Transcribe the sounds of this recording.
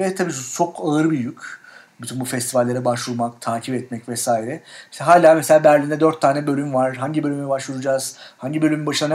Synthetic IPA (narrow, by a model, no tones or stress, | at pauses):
vɛt̪ʰabiːst͡ʃʰo̞kʰaɯɾɯbijycʲ | byt̪ʰynbufɛst̪ʰivalʲːeɾɛbaʃvuɾˠmak̚t̪ʰaːcʰipɛt̪mɛcvɛsaːiɾɛsɦaːlʲaːmɛselʲaːbæɾlʲind̪ɛd̪øɾt̪ʰːaːnɛbø̞lʲymvaɾɦaɲɟibølʲymɛbaʃvuɾud͡ʒaːz̥haɲɟibølʲymybaʃɯnˠan